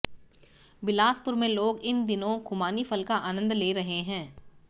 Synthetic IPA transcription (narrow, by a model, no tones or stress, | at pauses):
bɪlaːspʊɾmẽloːɡɪnd̪ɪnõkʰʊmaːnifʰəlkaʔaːnə̃nd̪leːɾɐɦeɦɛ̃ː